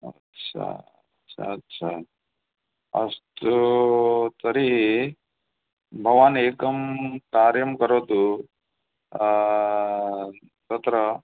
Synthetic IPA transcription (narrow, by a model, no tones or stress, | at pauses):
ɐtːt͡ʃʰa̰ | tːt͡ʃʰa̰ɐtːɕʰa | ɐ̰st̪u | t̪ɐɾiɦi | bʱɐʋaːneːkɐmkaːɾjɐmkɐɾoːt̪u | t̪ɐt̪ɾɐ